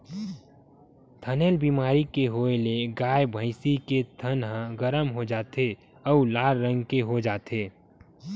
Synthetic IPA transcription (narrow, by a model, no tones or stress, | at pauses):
t̪ʰəneːlbiːmaːɾikeɦoːeleɡaːjbʱəɪsiket̪ʰənɦə̃ɡəɾəmɦod͡ʒaːt̪ʰe | ɔʊlaːɾɾə̃ŋɡkeɦod͡ʒaːt̪ʰeː